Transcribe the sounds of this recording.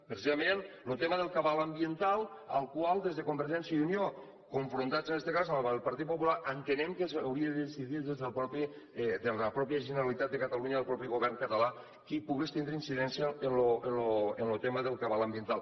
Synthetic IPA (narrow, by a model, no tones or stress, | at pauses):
pɾesizamen | lut̪ɛməðəlˠkaβaləmbjent̪alˠ | əlˠkwalˠd̪ezðekumbeɾʒɛnsjəðunijo | kuɱfɾunt̪at͡senɛst̪ekazəmlˠpɐɾt̪it̪̚populaʔənt̪enɛmkesawɾiəðəðesiðiðezðelˠpɾɔpi | d̪epɾɔpjəʒeneɾalit̪at̪̚d̪əkət̪aluɲaəlˠpɾɔpiɣoβɛrŋkət̪ala | kipuɣest̪inɾeinsiðɛnsjəːnloenloenlot̪ɛməðəlˠkaβaləmbient̪alˠ